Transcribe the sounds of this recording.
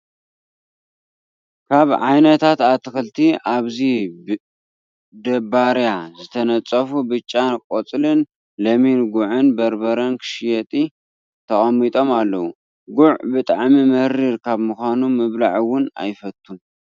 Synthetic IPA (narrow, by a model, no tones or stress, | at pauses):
kʰaβʕajnɐt̪ʰat̪at̪ʰːɨxɨlt̪ʰiʔaβzib | d̪ɐbaɾjazɨt̪ʰɐnɐt͡sʼɐfubɨt͡ʃʼːankʼot͡sʼlɨn | lɐminɡʊʕɨnbɐɾbɐɾɐnkʰɨ̥ʃjɛt̪ʼi | t̪ʰɐχʼɐmit̪ʼo̞malːɐwu | ɡʊʕbɨt̪ʼaʕmimɨhɾiɾkʰaβmuxʷanumɨβlaʕwʊna̰jfɐt̪ʰːun